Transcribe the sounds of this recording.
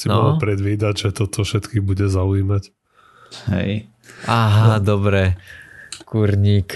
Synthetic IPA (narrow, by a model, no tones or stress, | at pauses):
sinɔlɔpɾɛd̪ʋiːd̪aɟʒɛt̪ɔt̪ɔfʃɛt̪kibuɟɛzauiːmac | hɛ̰j | aɦad̪ɔbɾɛ | kuɾɲiːk